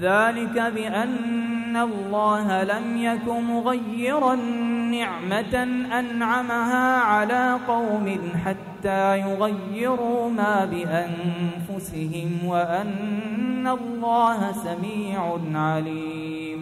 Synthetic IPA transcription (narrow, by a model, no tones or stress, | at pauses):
ðaːlɪkabɪʔanːalːɑːɦalamjakʊnmʊɣajːɪɾˤɑnːɪʕmat̪anʔanʕamaɦaːʕalaːqɑwmɪnħat̪ːaːjʊɣajːɪɾʊmaːbɪʔanfʊsɪɦɪmwaʔanː | alːɑːɦasamiːʕʊnʕaliː | m